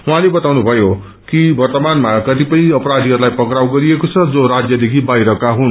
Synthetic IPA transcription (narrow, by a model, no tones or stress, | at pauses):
uɦãlebʌt̪awnubʱʌjo | kibʌrt̪ʌmanmakʌt̪ipʌĩʌpʌɾad̪ʱiɦʌɾulajpʌkɾawɡʌɾiekot͡sʰʌd͡zoɾad͡zjʌd̪ekʰibajɾʌkaɦun